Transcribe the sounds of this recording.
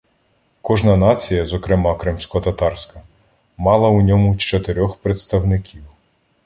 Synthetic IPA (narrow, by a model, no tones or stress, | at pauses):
kɔʒnɐnɑt͡sʲijɐzɔkɾɪmɑkɾɪmsʲkɔɔt̪ɐt̪ɑrsʲkɐ | mɑlˠɐunʲɔmʊt͡ʃt͡ʃɔt̪eɾʲɔxpɾet̪st̪ɐwnɪkʲʰiw